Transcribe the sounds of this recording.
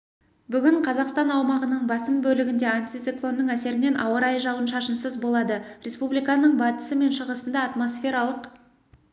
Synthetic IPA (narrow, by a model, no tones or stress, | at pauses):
bʏɡʲɪɴqʰɑzɑqst̪ɑnɑwmɑʁənəɴbɑsəmbɵlɪɡʲɪnd̪e̞ant̪ʲit̪siklˠo̞nːəɴæse̞ɾɪne̞nʔɑwəɾɑjʒɑwənʃɑʃənsəzbo̞lˠɑd̪əɾʲʔe̞spublijkɑnəɴbɑt̪ə̥səme̞nʃəʁəsənd̪ɑːt̪mo̞sfʲe̞ɾɑlˠəq